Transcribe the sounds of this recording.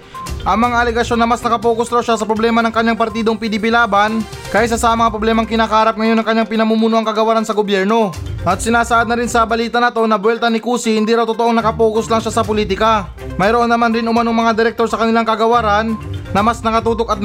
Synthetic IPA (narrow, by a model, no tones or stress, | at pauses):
ʔɐŋmɐŋaʔɐlɛɡɐʃjo̞nːɐmasnɐkɐpoːkosɾawʃasɐpɾoblɛːmɐnɐŋkɐɲːaŋpɐɾt̪iːd̪oŋpid̪ipilaːbɐn | kaːhɪt̪sɐsaːmɐapɾoblɛːmɐŋkɪnaːkɐhaːɾap̚ŋɐjo̞nːɐŋkɐɲːaŋpɪnɐmuːmuːnoʔɐŋkɐɡɐwaɾansɐɡobjɛɾno̞ʔɐt̪̚sɪnaːsɐʔad̪nɐɾɪnsɐbɐliːt̪ɐnɐt̪o̞nɐbwɛlt̪ɐnɪkuːsihɪnd̪iːɾawt̪ot̪oʔoŋnɐkɐpoːkoslɐŋʃasɐpoliːt̪ɪka | mɐjɾoʔo̞nːɐmanɾɪnʔʊmɐnoŋmɐŋad̪ɛɾɛk̚t̪o̞ɾsɐkɐnɪlaŋkɐɡɐwaːɾanːɐmasnɐkɐt̪uːt̪okɐt̪n